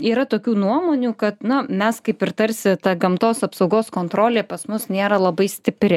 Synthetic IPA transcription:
iːɾɐt̪oːkʲuːnuɔmoːnʲuːkɐt̪nʊmʲɛskɐɪpɪrt̪ɐɾʲsʲɪt̪ɐɡɐmt̪oːsɐpsɐʊɡoːskoːnt̪ɾoːlʲeːpɐsmʊsnʲeːɾɐlˠɐbɐɪsʲt̪ʲɪpʲɾʲɪ

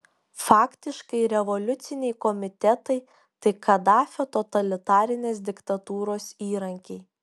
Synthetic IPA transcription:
fɑːkt̪ʲɪʃkɐɪɾʲɛʋɔlʲʊt̪sʲɪnʲɛɪkɔmʲɪt̪ʲɛt̪ɐɪ | t̪ɐɪkʰɐd̪ɑːfʲoːt̪ɔt̪ɐlʲɪt̪ɑːɾʲɪnʲeːs̬d̪ʲɪkt̪ɐt̪uːɾoːsiːɾɐŋʲkʲɛɪ

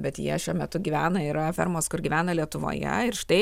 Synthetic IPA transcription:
bʲɛt̪jḭɛʃʲuɔmʲɛt̪ʊɡʲiʋʲæːnɐɪɾɐfʲɛ̰ɾmoːskʊɾɡʲiːʋʲæːnɐlʲiɛt̪ʊʋo̰ːjɛ̰ɪɾʃt̪ɐɪ

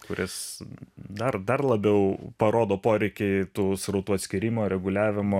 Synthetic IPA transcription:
kʊɾʲʔɪs | d̪ɐrd̪ɐrlˠɐbʲɛʊpɐɾoːd̪oːpoːɾʲɛɪkʲɛɪt̪uːsɾɐʊt̪uːɐt̪ʲsʲkʲɪɾʲiːmoːɾʲɛɡʊlʲæːʋʲɪmoː

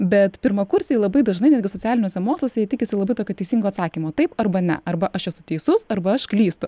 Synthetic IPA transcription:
bʲɛt̪pʲɪɾmɐkʊɾʲsʲiːjɪlˠɐbɐɪd̪ɐʒnɐɪnʲæd̪ʲɡʲɪsoːt͡sʲæːlʲɪnʲoːsʲɛmoːkslˠoːsʲɛjɛt̪ʲɪkʲɪsʲɪlˠɐbɐɪt̪oːkʲoːt̪ʲɛɪsʲiːŋɡoːɐt̪sɑːkʲiːmoːt̪ɐɪpɐrbɐnʲɛ̰ʔɐrbɐʔɐʃɛsʊt̪ʲɛɪsʊsɐrbɐɐʃklʲiːst̪ʊ

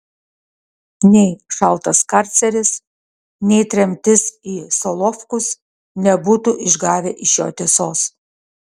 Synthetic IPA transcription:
nʲɛɪʃɐlˠt̪ɐskɐɾʲt̪sʲɛɾʲɪs | nʲɛɪt̪ʲɾʲɛmʲt̪ʲɪsiːsɔlˠɔfkʊs | nʲɛbuːt̪uʔɪʒɡɑːʋʲeʔɪʃjo̰ːt̪ʲesoːs

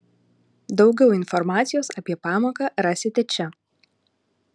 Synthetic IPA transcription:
d̪ɒʊɡʲɛʊɪnfɔɾmɑːt̪sʲɪjoːsɐpʲiɛpɑːmoːkɑːɾɑːsʲɪt̪ʲɛt͡ʃʲɛ

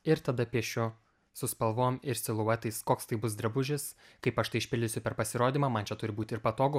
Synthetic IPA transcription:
ɪɾt̪ɐd̪ɐpʲiɛʃʲʊ | sʊspɐlˠʋoːmɪɾsʲɪlˠʊɐt̪ɐɪskoːkst̪ɐɪbʊs̬d̪ɾɐbʊʒʲɪskɐɪpɐʃt̪ɐɪɪʃʲpʲɪlʲd̪ʲɪsʲʊpʲɛɾpɐsʲɪɾoːd̪ʲiːmɑːmɐnt͡ʃʲɛt̪ʊɾʲɪbuːt̪ʲɪɾpɐt̪oːɡʊ

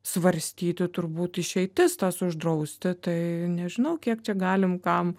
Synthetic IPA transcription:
sʋɐɾʲsʲt̪ʲiːt̪ʲɪt̪ʊɾbuːt̪ɪʃʲɛɪt̪ʲɪst̪ɐsʊʒd̪ɾɐʊsʲt̪ʲɪt̪ɐɪnʲɛʒʲɪnɐʊkʲiɛkt͡ʃʲɛɡɑːlʲɪmkɐm

